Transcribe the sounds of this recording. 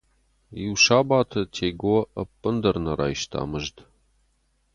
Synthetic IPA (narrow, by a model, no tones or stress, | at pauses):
jiwʃaːbaːtʰɐtʰejɡɐwɐʔɐpʼːɨnd̪ɐrnɐɾa̰ːjʃtʰa̰ːmɨʒt